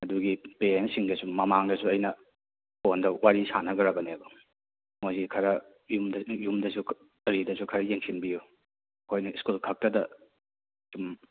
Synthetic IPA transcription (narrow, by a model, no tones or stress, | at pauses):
ɐduɡipeɾensiŋdɐsumɐmaŋdɐsuɐjnɐ | pʰondɐwaɾisanɐɡɐɾɐbɐneɐbɐ | mojzikʰɐɾɐ | jumdjumdɐsu | ɐɾidɐsukʰɐɾɐjeŋsinbiju | ɐkʰojnɐiskulkʰɐk̚tɐdɐ | sum